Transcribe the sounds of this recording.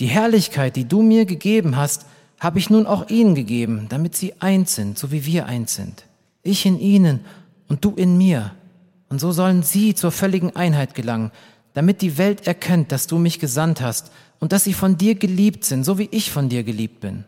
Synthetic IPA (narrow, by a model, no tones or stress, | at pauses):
d̥iːɦɛɐlɪçkʰaɪt̚d̥iːduːmiːɐɡəɡeːbm̩ɦast | haːbəɪçnuːnʔaʊxʔiːnənɡəɡeːbm̩d̥amɪtz̥iːʔaɪnsz̥ɪntz̥oːviːviːɐʔa̰ɪnz̥ɪ̰nt | ʔɪçɪnʔiːnən | ʔʊnt̚d̥uːʔɪnmiːɐ | ʔʊntz̥oːzɔlənziːt͡suːɐfœlɪɡŋ̩ʔaɪnɦaɪtɡ̥əlaŋən | d̥amɪt̚d̥iːvɛltɛɐkʰɛnt̚d̥asd̥uːmɪçɡ̥əzanthast | ʔʊnt̚d̥asz̥iːfɔndiːɐɡəliːp̚tz̥ɪntz̥oːviːʔɪçfɔndiːɐɡəliːp̚t̚b̥ɪ̰n